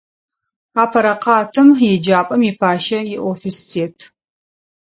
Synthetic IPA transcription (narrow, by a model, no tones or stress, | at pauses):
aːpʰɐɾɐqɑːtʰɨmjɪd͡ʒaːpʼɐmiːpʰaːʃɐjɪʔofistʰeːtʰ